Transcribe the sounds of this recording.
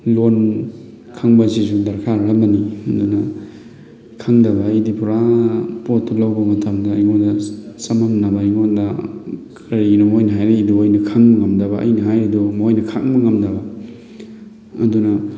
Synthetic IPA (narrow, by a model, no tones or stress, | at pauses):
lon | kʰaŋbɐzisudɐɾkʰaɾɐlɐmbɐniɐdunɐ | kʰaŋdɐbɐːjdipʰuɾapotʰːɐlawbɐmɐtʰɐmdɐːjŋondɐsɐmɐmnɐbɐjŋondɐkʰɐɾinɐmojnɐɦajɾɐiduojnɐkʰaŋmɐŋɐmdɐbɐʔɐ̰jnɐɦajɾidumojnɐkʰaŋmɐŋɐmdɐbɐ | ɐ̰dunɐ